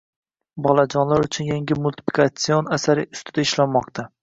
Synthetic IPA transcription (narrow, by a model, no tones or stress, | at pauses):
bɒlad͡ʒɒnlaɾʊt͡ʃʰʊnjaŋɡʲɪmʊlʲt̪ʰɪ̥pʰi̥kʰat̪sio̞nasaɾɪʊst̪ʰɪd̪aɪʃlanmɒqt̪ʰa